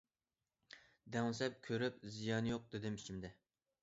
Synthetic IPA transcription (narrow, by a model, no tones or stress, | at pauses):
d̪ɛŋsɛp̚kʲʰøɾyp̚zijɑnjoq̚d̪ɪd̪ɪmit͡ʃʰimd̪ɛ